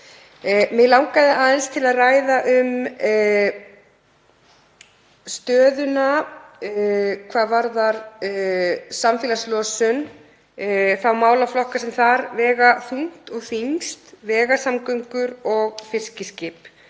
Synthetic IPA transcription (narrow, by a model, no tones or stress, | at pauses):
mɪlawŋkaðɪʔaːðənst̪ʰɪlaðraːjðaʔʏm | st̪œːðʏna | kʰvaːðvaɾðaɾ | samfɪːlaslɔsʏn | θawmaːwlaflɔhkasɛmθaɾvɛːɣaθuŋ̥t̪ɔɣθiŋst̪vɛːɣasamkœɥŋkʏɾɔɣfɪr̥scɪscɪp